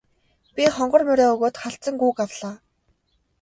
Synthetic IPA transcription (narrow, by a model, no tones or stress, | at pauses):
pʲiχɔɴɢɞ̆rmœɾʲɔːɵɣoːt̪χaɬt͡sə̆ŋɡuːkawɮaː